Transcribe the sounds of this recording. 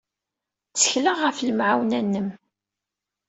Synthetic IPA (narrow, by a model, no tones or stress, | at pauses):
t͡sːə̥çləʁəfləmʕawnænːəm